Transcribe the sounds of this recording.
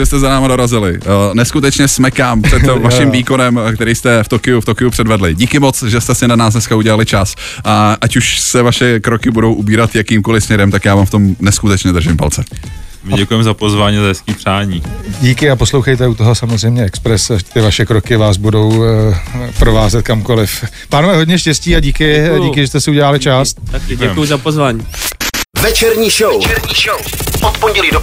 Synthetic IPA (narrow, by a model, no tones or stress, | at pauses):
ʒɛst̪ɛzanaːmado̞ɾazɪlɪnɛskut̪ɛt͡ʃɲɛsmɛkaːmpr̥ɛvaʃɪmviːko̞nɛmkt̪ɛɾijst̪ɛft̪okɪuft̪o̞kɪupr̝̥ɛdvɛdlɪɟiːkɪmo̞t͡sʒɛst̪ɛsɪnanaːs̬nɛskauɟɛlalɪt͡ʃas | ʔaʔacuʃsɛvaʃɛkɾokɪbudo̞wʔubiːɾat̪jakiːmko̞lɪsmɲɛɾɛmt̪akjaːvaːmft̪o̞mnɛskut̪ɛt͡ʃɲɛd̪r̩ʒɪmpa̰lt͡sɛ | mɟɛkujɛmɛzapozvaːɲizaɦɛskiːpr̝̥aːɲiːɟiːkɪapo̞slowxejt̪ɛut̪oɦo̞samozr̝ɛjmɲɛɛkspɾɛsat̪ɪvaʃɛkɾo̞kɪvaːz̬budo̞w | pɾovaːzɛt̪̚kamko̞lɪf | paːnovɛːɦoɟɲɛʃcɛsciːaɟiːkɪɟiːkɪʒɛst̪ɛsɪuɟɛlaːlɪt͡ʃaːst̪̚aɟɛujʊzapozvaːɲi | vɛt͡ʃɛɾɲiːʃowɛɾɲiʃowot̪poɲɟɛliːdo